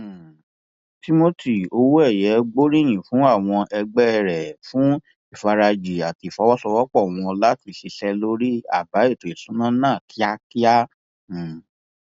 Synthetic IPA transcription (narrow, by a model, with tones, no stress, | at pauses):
ti˦mo˦ti˨o˧˦wu˦ɛ˦˨jɛ˨˦ɡ͡bo˦ɾi˦˨j̃ĩ˨fũ˨˦a˦˨w̃ɔ̃˧ʔɛ˧ɡ͡bɛ˦˨ɾɛ˨fũ˨˦ | i˦˨fa˧ɾa˧d͡ʒi˨a˨ti˨˧˨fɔ˨˦wɔ˦sɔ˧wɔ˦k͡pɔ˦˨w̃ɔ̃˧la˦ti˧ʃi˧ʃɛ˦lo˦ɾi˦a̰˦˨ba˨˦e˦˨to˨i˨sũ˨˦nã˦nãː˦˨tʰi˦a˦ki˦ã˦˨